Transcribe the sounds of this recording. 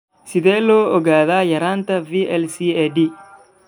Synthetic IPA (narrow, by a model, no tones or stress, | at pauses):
sɪðeːloːɔɡaːðaːjɐɾaːnt̪ɐviːʔɛlsiːedi